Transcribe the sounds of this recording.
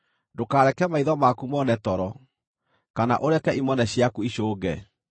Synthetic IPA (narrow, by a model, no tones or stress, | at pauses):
dokaːɾɛkɛmaiðɔmakumɔnɛtɔɾɔ | kana̰ʔoɾɛkɛʔimɔnɛɕjakuiɕoːɡɛ